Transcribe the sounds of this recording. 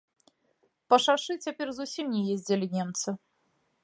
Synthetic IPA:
pɐʂaʂɨt͡sʲapʲɛrzusʲimnʲɛjezʲd͡zʲɛlʲinʲɛmt̪sɨ

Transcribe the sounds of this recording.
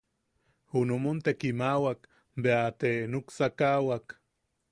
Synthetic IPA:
hunumont̪ekimawak | beat̪enuksakawak

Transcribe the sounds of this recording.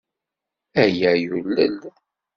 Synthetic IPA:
æjæjulːə̰l

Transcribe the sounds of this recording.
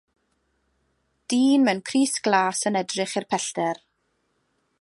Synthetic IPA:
d̥iːnmɛnkʰriːsɡ̥lˠaːsənɛdrɪχɪrpʰɛɬd̥ɛr

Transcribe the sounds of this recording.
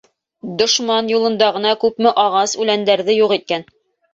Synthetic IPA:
d̪ŏʃmɑnjulˠɤ̆nd̪ɑʁɤ̆nɑkʉpmɘʔɑʁɑsʉlænd̪æɾðɘjuʁit̪̚kæn

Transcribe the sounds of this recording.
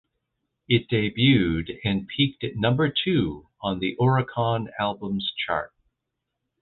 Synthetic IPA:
ɪt̚d̥eɪbjʉɾɨ̃npʰik̚tnʌ̃mbə˞tʰʉ | ə̃nðiʔɔɹɨkʰɑ̃nælˠbə̃mz̥t͡ʃʰɑ̰ɹt̚

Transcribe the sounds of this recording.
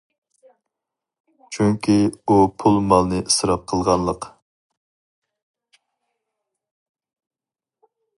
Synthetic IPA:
t͡ʃʰyŋkʲʰiupʰulˠmɑlˠnɨʔisɨɾɑp̚qʰəlˠʁɑnlˠəq

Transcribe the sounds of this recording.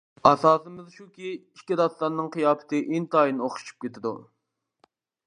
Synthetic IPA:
ɑsɑːsɨmɪzʃukʲiiʃkʲid̪ɑsˠɑnnːɨŋqijɑːpɪ̥t̪ʰɨʔint̪ɑːinoχʃʃʰu̥p̚kʲet̪ʰɪd̪ṵ

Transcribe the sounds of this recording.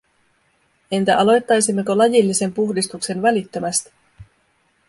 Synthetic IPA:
e̞nt̪æʔɑlo̞jt̪ːɑjsimːe̞ko̞lɑjilːise̞mpuxdist̪ukse̞nʋælit̪ːø̞mæst̪i̥

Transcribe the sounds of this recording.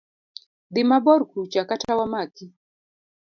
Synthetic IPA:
d̪ɪmabɔɾkut͡ʃakatawamaki

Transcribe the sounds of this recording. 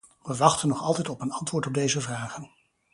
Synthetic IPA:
ʋəʋɑχtənːɔχɑlˠtɛjtɔpənɑntʋʊːɹtɔb̚dejzəvraːχən

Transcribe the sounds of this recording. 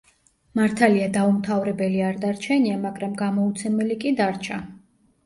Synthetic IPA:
maɾt̪ʰaliad̪aumt̪ʰavɾɛbɛliaɾd̪aɾt͡ʃʰɛniamaɡɾamɡamɔut̪sʰɛmɛlikʼid̪aɾt͡ʃʰa

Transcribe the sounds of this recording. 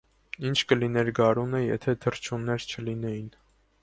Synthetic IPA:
int͡ʃʰkəlinɛɾɡɑɾunəjɛ̰t̪ʰɛt̪ʰərt͡ʃʰunːɛɾt͡ʃʰəlinɛjin

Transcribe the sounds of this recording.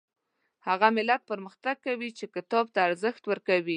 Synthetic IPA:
haɣamɪlat̪̚pəɾməxt̪aɡ̚kawit͡ʃekɪt̪ɑb̚t̪aːɾzəxt̪wəɾkawi

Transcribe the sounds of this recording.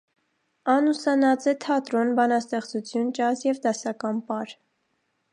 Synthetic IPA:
ɑnusɑnɑt͡sɛt̪ʰɑt̪ɾɔnbɑnɑst̪ɛχt͡sut͡sʰjunt͡ʃɑzjɛvd̪ɑsɑkɑnpɑɾ

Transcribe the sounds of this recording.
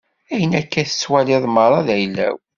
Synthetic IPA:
æjənækːæθə̥t͡sːwælɪðˤməɾˤɑðæjlːæ̰w

